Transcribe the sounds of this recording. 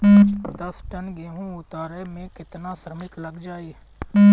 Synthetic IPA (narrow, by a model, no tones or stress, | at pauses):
d̪əsʈənɡeːɦũːʊt̪aːɾemẽkɪt̪nasɾəmɪk̪ləɡd͡ʒaːeː